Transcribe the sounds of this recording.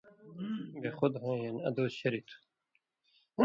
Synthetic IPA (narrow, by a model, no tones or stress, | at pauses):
beːxʊd̪ɦẽːjaniɐ̰d̪oːsɕɐɾiːt̪ʰ